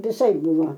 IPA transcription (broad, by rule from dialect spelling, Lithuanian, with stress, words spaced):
ʋʲɪˈsɐɪp ˈbʊʋoː